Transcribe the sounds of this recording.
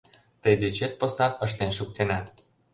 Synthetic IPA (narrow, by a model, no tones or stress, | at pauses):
t̪əjd̪et͡ɕet̪̚posnɑt̪əʃ̬t̪enʃuk̚t̪enɑt̪